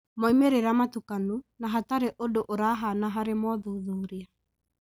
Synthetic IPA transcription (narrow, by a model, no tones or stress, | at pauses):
mɔimeɾeɾamatukanunaɦataɾeʔodoʔoɾaɦanaɦaɾemɔðuðuːɾia